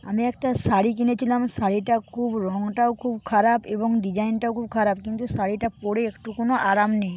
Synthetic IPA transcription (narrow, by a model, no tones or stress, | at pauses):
a̰miɛkʈasaɽikinet͡ɕʰilamsaɽiʈakʰubɾɔŋʈaokʰubkʰaɾapeboŋɖid͡ʑainʈaokʰub̚kʰaɾap̚kint̪usaɽiʈapoɽeekʈukonoʔaɾamnej